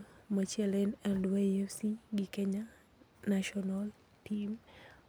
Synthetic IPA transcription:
mat͡ʃɛlɛnɛldwaiefsiɡɪkeɲa | naʃɔnal | tim

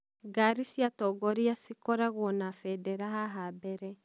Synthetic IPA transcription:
ɡaɾisjatɔːɡɔɾiasikɔɾaɣwɔnafɛdɛɾaɦaɦabɛɾɛ

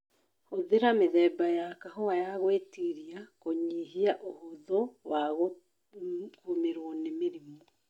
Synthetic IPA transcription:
hoðeɾameðɛːbajakaɦɔajaɣwetiɾiakoɲiɦiaʔohoðɔwaɣo | komeɾwɔnemeɾimo

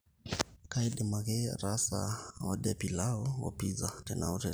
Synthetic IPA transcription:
kaidɛmaɣɛɾasa̰ɔɗɛpilaɔwɔ̰pizatɛnauɾɛ

